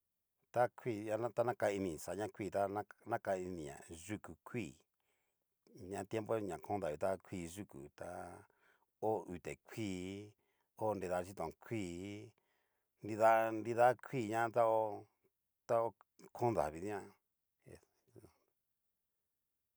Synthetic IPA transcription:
t̪a˦kʰʷi˦˨a˧nã˦t̪a˦nã˦ka˧i˧nĩ˨sa˨ɲã˦˧kʷiː˦˧˨t̪a˦nã˦nã˦ka˧i˧nĩ˨ɲã̰˨ʐu˧ku˨kʰʷiː˦˨ | ɲã˧˦˧t̪je˦mpo˦ɲã˨kʰõ˦nd̪a˨βi˨t̪a˦kʷʰi˦˧˨ʒu˦kṵ˨t̪a˧ | o˦u˨t̪e˨kʷʰiː˦˨ | o˦˧ndi˧ða˧t͡ʃi˦t̪õ˨˧kʷʰiː˦˨˦ | ndi˧ða˦ndi˧ða˦kʷʰiː˦˨ɲã˦t̪a˦o˦ | t̪a˦o˧kʰõ˦nða̰˨βi˨˦ã˦ | ḛ̃˨

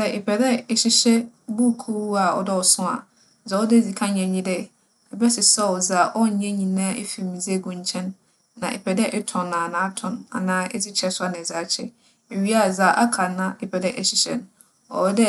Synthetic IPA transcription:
sɛ˦ʔɪ˨pʰɛ˨dɛ˦ɛ˨ɕi˨ɕɛ˦ | bu˦˨kʰu˦a˨ɔ̰˨dɛ˦ɔ˨sʊ̃˦a̰˨ | za˨˦ɔ˦de˦˨d͡zi˨kʰã˦ɲɛ̃˨ɲĩ˦dɛ˦ | ɛ˨bɛ˦sɪ˨sɛ˦ɔ˨za˨ʔɔ˦˨ɲɛ̃˦ɲĩ˨nã˦ʔḛ˦fi˨mĩ˨ze˦˨ɡũ˨ɲ˦t͡ɕʰɛ̃˦nː | ã̰˨ʔḛ˨pʰɛ˨dɛ˦ʔɪ˦tʰɔ̃˨nːã˨nãː˨˦tʰʊ̃˨na̰˨nãː˦ʔɛ˦d͡zɪ˦t͡ɕʰɛ˨˦sʊ˦a˦nɪ̃˨zaː˨˦t͡ɕʰɛ̰˦ | e˨ɥi˦a˦˨zaː˨ʔa˦kʰã˨nã˦ɪ˨pʰɛ˨dɛ˦ʔɛ˨ɕi˨ɕɛ̰˦ñ˦ | ɔ̰˨ɾɛ˦dɛ˦

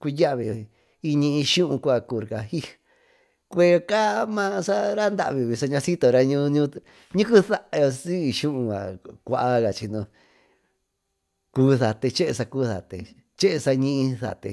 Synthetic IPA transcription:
kʷu˧ja˦ʔβi˨ | i˧ɲĩ˧ĩ˧ʃũ˦ʔũ˧kʷa˧˨ku˧˨˧ɾka˧hi˦ | kʷe˧ka˦mã˦sa˦ɾa˦nd̪a̰˧˨βi˧βi˧sa˧ɲã˧si˦t̪o˨˧˨ɾa˧ɲũ˧ɲũ˧ | ɲĩ˦ku˦θa˦ʔo˧si˦˧ʃũ˦ʔũ˧a̰˨kʷa˧ʔa˧ɣa˨t͡ʃi˧nõ˧ | kuː˧˦θa˨t̪e˧t͡ʃe˦ʔe˧sa˧kuː˦ða̰˨t̪ḛ˧˨ | t͡ʃe˦ʔe˧sa˧ɲĩ˦ʔĩ˧θa̰˨t̪ḛ˧

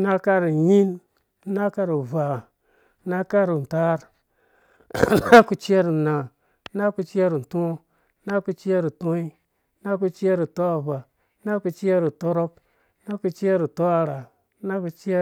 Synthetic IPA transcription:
na˦ka˦ɾu˨ɲi˦n˦ | na˦ka˦ɾu˨va˨˦ | na˦ka˦ɾu˨n˨ta˦ɾ | na˦ku˨t͡ʃe˦ɾu˨na˨˦ | na˦ku˧t͡ʃe˦ɾu˨n̩˨tõ˦ | na˦ku˧t͡ʃi˦e˦ɾu˨to˦i˦ | na˦ku˧t͡ʃi˦e˦ɾu˨to˦a˨va˨˦ | na˦ku˧t͡ʃe˦ɾu˨to˦ɾo˦p | na˦ku˧t͡ʃi˦e˦ɾu˨to˦a˨ɾa˨˦ | na˦ku˧t͡ʃe˦

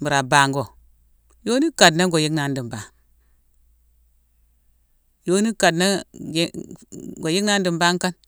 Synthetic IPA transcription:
mi˨ɾa˨ba˨ŋɡo˨ | jo˦ni˦ka˨dna˦ɡo˨ji˦kna˨˦ndi˨mba˨ŋ | jo˦ni˦ka˨dna˦ | ɡo˨ji˦kna˦n˦di˨mba˦ŋ˦ka˦n

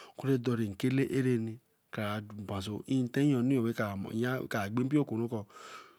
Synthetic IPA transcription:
ku˦ɾe˦dɔ˧ɾe˨ŋ̩˨ke˦le˦ʔe˦ɾe˦ni˨ | ka˨ɾa˨bã˨s̬o˨i˦n˨te˦o˨ni˦o˨we˦ka̰˨ja˦˨ka˨ɡ͡be˦m˦pi˦o˦˨ko˨nu˦kɔ˧

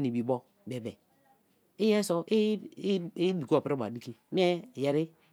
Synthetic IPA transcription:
ni˨bi˨bo˦ | be˨be˨ | i˦je˦so˦ʔ | di˨ko˨pɾi˦ba˨di˦ki˦m˦e˦˨je˨ɾi˦

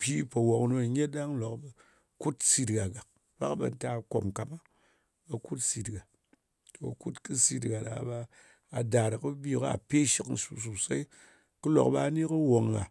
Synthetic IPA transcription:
pʲi˦pɐ˨wo˨kno˦˨ɲe˦ɗa˦ŋ˦lo˨kbɐ˨ | ku˦tsi˧tɡa˨ɡa˨k̚ | ba̰˦kbɐ̰˨n̩˦ta˦˨ko̰˨mka˨ma˦ | bɐ˨ku˦tsi˧tɡa˨ | to̰˨ku˦tkɨ˦si˦tɡa˨da̰˨˦baː˧˨ | da˨ɾɨ˨kɨ˦bʲi˦˨kɨ˦a̰˨pe˦ʃi˦kn̩˨su˨s̬u˨sa˦i˦ | kɨ˦lo̰˨kba˧a˨ni˦kɨ˦wo˨ŋːa̰˨

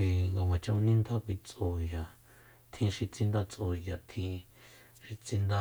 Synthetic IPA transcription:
i˧ŋɡa˧˨wã˨t͡ʃã˧ũ˧nĩ˦nd̪a˦kʷi˧t͡so˧ja˨ | t̪ʰĩ˧ʃi˧t͡sĩ˧nd̪a˧t͡sʔo˧˨ja˨t̪ʰĩ˧ | ʃi˧t͡sĩ˧nd̪a˧

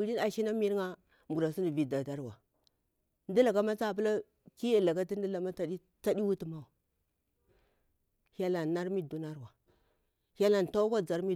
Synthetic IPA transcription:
u˨˦ɾi˦a˨ʃi˦na˦mi˦ɾŋa˦ | m˨u˨ɾa˨si˦ni˨vi˨da˨da˦ɾwa˨ | n˦di˦la˨ka˦ma˦t͡sa˦˨p̬u˦la˦ | ki˦ja˨la˨ka˦ti˦n˦di˦la˨ma˦ta˨di˦ | t͡sa˦di˦wu˦ti˨ma˦wa˨ | ha˦la˨n˨na˦ɾmi˦du˦na˦ɾwa˨ | ha˦la˨n˨ta˦kʷa˦d͡za˨ɾmi˦

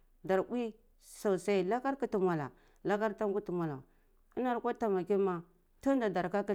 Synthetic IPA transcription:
da˨ɾwi˦ | sa˨sa˦i˦la˦ka˦ɾku˦tu˨mʷa˨la̰˨ | la˦ka˦ɾta˦ku˦ti˨mʷa˨la̰˨ | i˦na˨ɾkʷa˦ta˨ma˨ki˦ma˨ | ta˦n˦da˨da˨ɾka˦ki˦

